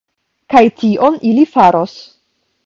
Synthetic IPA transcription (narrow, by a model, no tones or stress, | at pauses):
kajtiʔo̞nʔilifaɾo̞s